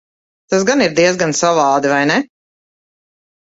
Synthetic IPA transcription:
t̪asɡaniɾd̪iɛzɡansavɑːd̪ivajnɛ

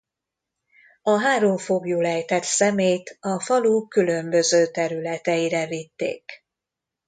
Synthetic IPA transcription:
ɒɦaːɾoɱfo̞ɡjuːlɛjt̪ɛt̪sɛmeːjt̪ɒfɒluːkːylø̞mbø̞zøːt̪ɛɾylɛt̪ɛjiɾɛvit̪ːḛːk

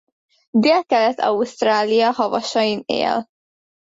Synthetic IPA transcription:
d̪eːlkɛlɛt̪ɒ̰ust̪raːlijɒhɒvɒʃɒjinḛːl

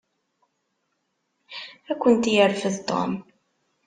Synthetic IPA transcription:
ækʷːənt̪jəɾfəðt̪o̰m

